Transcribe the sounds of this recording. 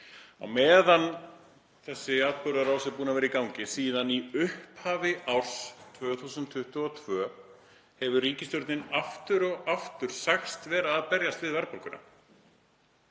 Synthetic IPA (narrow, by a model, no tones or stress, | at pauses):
a̰wmɛːðan | θɛsːɪat̪̚pʏɾðaɾaːwsɛpuːnavɛːɾaikawŋcɪsiːðaniʏhphaːvɪʔawɾ̥st̪ʰvœːθuːsʏnt̪ʰːʏht̪ʏɔt̪ʰvœː | hɛvʏriːcɪst̪jɔwɾt̪nɪnaft̪ʏɾɔɣaft̪ʏɾ̥saxst̪vɛːɾaːðpɛɾjast̪vɪðvɛɾpɔɾkʏna̰